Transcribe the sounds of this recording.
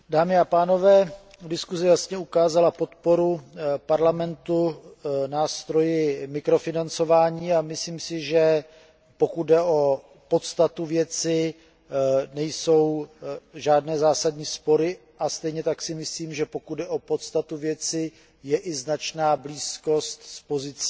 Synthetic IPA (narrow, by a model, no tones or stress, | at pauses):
daːmɪapaːno̞vɛː | dɪskuzɛjasɲɛukaːzalapo̞t̪po̞ɾupaɾlamɛnt̪unaːst̪ɾo̞jɪmɪkɾo̞fɪnant͡so̞vaːɲiːamɪsliːmsɪʒɛ | po̞kut̪̚dɛʔo | po̞t̪st̪at̪uvjɛt͡sɪ | nɛjso̞w | ʒaːdnɛːzaːsadɲiːspo̞ɾɪ | ʔast̪ɛjɲɛt̪aksɪmɪsliːmʒɛpo̞kud̪̚dɛʔo̞po̞t̪st̪at̪uvjɛt͡sɪ | jɛʔɪznat͡ʃnaːbliːsko̞st̪spo̞zɪt͡si̥